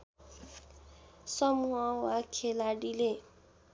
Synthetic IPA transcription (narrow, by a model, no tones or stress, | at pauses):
sɔmuɦãwakʰelaɖile